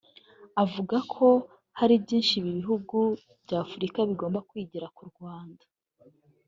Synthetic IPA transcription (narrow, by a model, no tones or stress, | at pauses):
avuɡakʰo̞ | haɾibɟiːnʃiβiβiɦuɡu | bɟaːfuɾikaβiɡo̞ːmbakwiːɟiɾakuɾɡwaːndḁ